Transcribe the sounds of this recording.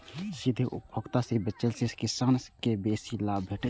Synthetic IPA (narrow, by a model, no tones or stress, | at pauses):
sid̪ʱiʔʊ̰ppʰokt̪asebət͡ʃːəlseskɪsaːnskebeːsilaːbʱeːʈe